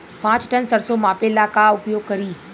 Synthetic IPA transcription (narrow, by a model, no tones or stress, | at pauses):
pãt͡ʃʈənsəɾsomãpelakaʊpjoɡ̚kəɾiː